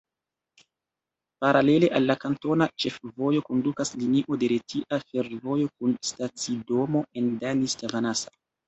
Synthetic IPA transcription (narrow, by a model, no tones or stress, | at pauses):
paɾale̞le̞ʔalːakanto̞nat͡ʃe̞fvo̞jo̞ko̞ndukasliniʔo̞de̞ɾetʰiʔafe̞ɾvo̞jo̞k̚unstat͡sido̞mo̞endanistavanasḁ